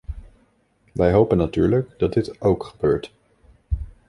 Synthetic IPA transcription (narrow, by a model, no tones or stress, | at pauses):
ʋɛjɦowpənːatyːɹləkd̥ɑt̚dɪtʔowkχəbøːɹt